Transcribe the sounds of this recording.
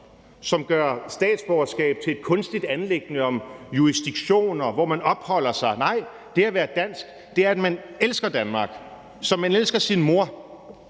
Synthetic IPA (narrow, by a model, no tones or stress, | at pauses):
sɒ̽mɡ̥ɶɐsd̥ɛ̰ːd̥sb̥ɒɐsɡ̥ɛ̰ːb̥̚t͡sʰe̝e̝d̥̚kʰɔ̽nsd̥id̥ænleɡ̥nəɒ̽mjuisd̥iɡ̥ɕo̝̰ːnɒʋɒmænɒ̽b̥hɒ̽l̰ɐsɑ̈ɪnɑ̈ɪ̰ | d̥e̝æɐʋæːɐd̥æn̰sɡ̥ | d̥e̝æɐæd̥mæn | elsɡ̥ɐd̥ænmɑ̈ːɡ̥ | sɒ̽mænelsɡ̥ɐsinmo̝ɐ̰